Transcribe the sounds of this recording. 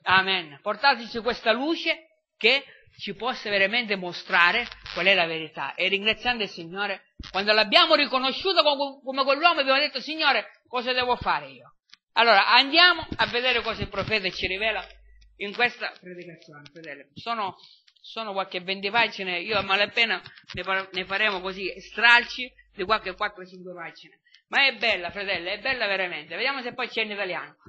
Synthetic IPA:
amɛnport̪aːt̪̬ɪt͡ʃikwest̪aluːt͡ʃe | k̟e | t͡ʃːipɔsːaveɾament̪̬ɪmost̪ɾaːɾekwalɛlaveɾit̪a̰ʔerːiŋɡɾat̪sːjand̪ʊilsiɲːoːɾe | kwand̪olabːjaːmʊɾikonoʃːuːt̪akokomekwelːwɔːmabjaːmod̪et̪ːosiɲːoːɾe | kɔːsad̪ɛːvofaːɾeiːo | alːoːɾaʔand̪jaːmʊavːed̪ɛːɾɪkɔːsaɪilpɾofɛːt̪̬aɪt͡ʃiɾivɛːla | iŋkwest̪apɾed̪ikat̪sːjɔːnɪfɾat̪ɛlːɪsɔːnʊ | sɔːnʊkwalkɪvːɛnt̪̬ipad͡ʒineiːomalapːɛːnanɪanɪfaɾɛːmʊkosist̪ɾalt͡ʃi | d̪ikwalk̟ɪkwat̪ːɾʊt͡ʃiŋkwepad͡ʒinamaɛbːɛlːafɾat̪ɛlːeɛbːɛlːaveɾamɛnt̪ɪved̪jaːmʊs̬epːɔjt͡ʃɛnit̪alja̰ːnʊ

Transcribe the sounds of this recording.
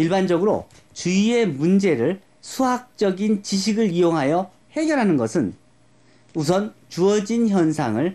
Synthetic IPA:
iɭband͡ʑʌɡɯɾo̰ | t͡ɕuie̞mund͡ʑe̞ɾɯɭ | sʰuɦak̚t͡ɕ͈ʌɡint͡ɕiɕ̬ʰiɡɯɭijoŋɦajʌ | he̞ɡjʌɾɦanɯnɡʌsʰɯn | us̬ʰʌnt͡ɕuʌd͡ʑinçjʌnsʰaŋɯɭ

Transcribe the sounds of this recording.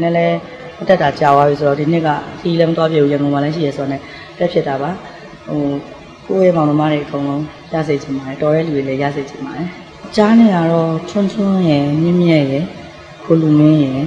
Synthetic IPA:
nɛlɛ | mətɛtat͡ɕawaβis̬ʰodɔdin̥ɪʔkːa̰kʰəjilɛmət̪wapjebujãŋɡõmalɛʃ̬ḭjɛsʰoanɛ̰̥ | ɛpʰjɛtːaba | ho | ko̰jɛmãəmaɾeʔəkõʊ̃lõʊ̃ | ja̰zed͡ʑʰɪ̃mbaɾɛtɔjɛ̰luɾelɛja̰zed͡ʑʰɪ̃mbaɾɛ | t͡ɕanɛɡaɹɔtʰʊ̃ntʰʊ̃jɛmɪ̃mjɛʔjɛ | kʰolumɪ̃jɛ

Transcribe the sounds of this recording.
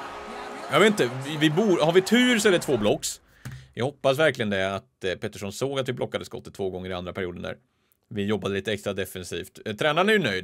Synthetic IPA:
jɑɡveːt̪nt̪əvɪvɪbuːhaɾvɪt̪ʰʉ̟ːɾsɛləʈ̪ʰv̥oːblɔkːs | jɑ̰ɡhɔpːasvæɾklɪɡənd̪ɛat̪pʰɛt̪ːəʂɔnsoːɡat̪vɪblɔkːad̪əskɔ̰t̪ːət̪ʰːvoːɡɔŋːəɾɪa̰nd̪ɾapʰæɾɪuːd̪ənɳd̪æ̰ːɾ | vɪjɔbːad̪əliːt̪əɛkst̪ɾad̪ɛfɛnsiːft̪t̪ʰɾɛːnaɾnæɾjɵnœjd̪

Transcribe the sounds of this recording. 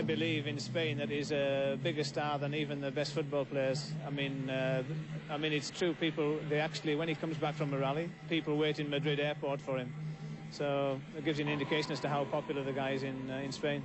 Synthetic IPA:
aɪbɪliːvɪ̃nspẽɪ̃nðɨɾizəbɪɡəstɑːɹðə̃niːvə̃nðəbɛstfʊt̚b̥ɔːlˠpʰl̥eɪəz̥aɪmĩnʌaɪmĩnɨtstʰɹ̥ʉpʰiˑpəl̩ˠðeɪak̚t͡ʃul̩ˠiwə̃nikʰʌ̃mzbakfɹə̃mːəɹalˠipipəl̩ˠweɾɨ̃nmɨdɹɪɾɛːpʰɔɹtfə˞ɪ̃msoʊɪt̚ɡ̥ɪvzjɨ̃nɪ̃ndɪkʰeɪʃə̃nz̥tʰəɦaʊpʰɒpjl̩ˠəðɨɡaɪɪzɪ̃nɪ̃nspẽɪ̃n

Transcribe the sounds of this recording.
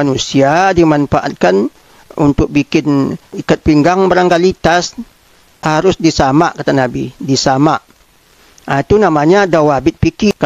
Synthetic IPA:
anusiadimanfaʔa̰t̪̚kan | unt̪ʊk̚bikɪnikat̪̚piŋɡaŋbaɾaŋkalit̪as | haɾʊsdisamaʔkat̪anabidisamaʔ | ait̪unamaɲadawabɪt̪̚pikika

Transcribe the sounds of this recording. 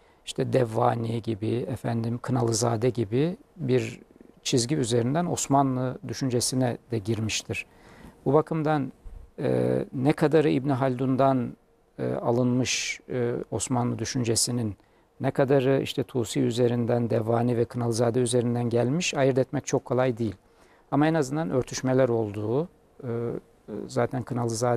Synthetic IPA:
i̥ʃt̪ʰɛd̪ɛvːaːniɟibiɛfænd̪imkʰɯnalˠɯzaːd̪ɛɟibibiɾt͡ʃʰizɟiyze̞ɾind̪æno̞smanlˠɯd̪yʃynd͡ʒesinɛd̪ɛɟiɾmiʃt̪ʰiɾ̥ | bubakʰɯmd̪anɛ̰ːɛkʰad̪aɾɯibniɦalʲd̪und̪an | ɯ̰ːa̰lˠɯnmɯʃ | o̞smanlˠɯd̪yʃynd͡ʒe̞sininː | ɛkʰad̪aɾɯʔḭʃt̪ʰɛt̪ʰuːsijyze̞ɾind̪ænd̪ɛvaːnivɛkʰɯnalˠɯzaːd̪ɛyze̞ɾind̪ænɟælʲmiʃajɯɾd̪ɛt̪mɛc̚t͡ʃʰo̞kʰːo̞lˠajd̪ijilʲ | amaɛnazɯnd̪anʔø̞ɾt̪ʰyʃmelʲæɾo̞lˠd̪uː | zaːt̪ʰænkʰɯnalˠɯzaː

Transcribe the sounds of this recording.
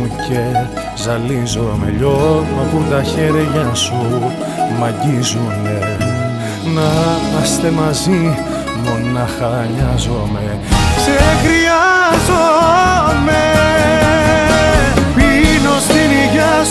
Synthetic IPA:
ce | zɐlizome̞̰ʎonɐput̪ɐçeɾʝɐsu | mɐɟizune | nɐmɐst̪e̞mɐzi | monɐxɐɲɐzome | sexɾiɐzo | me | pinost̪iniʝɐ

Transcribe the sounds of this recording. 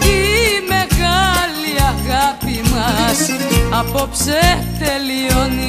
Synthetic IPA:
imeɣaliɐɣapimɐsɐpopset̪elioni

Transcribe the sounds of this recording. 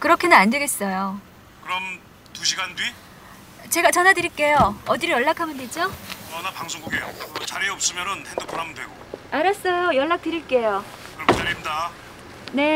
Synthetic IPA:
kɯɾʌkʰenɯnandeɡe̞s͈ʌjo | kɯɾʌm | tuɕʰiɡandwɥi | t͡ɕe̞ɡat͡ɕʌnadɯɾiɭk͈e̞joʌdiɾɯjʌɭːakʰamjɯndwed͡ʑoʌnapaŋsʰoŋɡuɡejo̰t͡ɕaɾiʌp̚s͈ɯmjʌnɯnhendɯkp͈oɾamɯndweɡoaɾʌs͈ʌjojʌɭːak̚t͈ɯɾiɭk͈e̞jo | kɯɾʌkʰet͡ɕaɾinda | ne̞

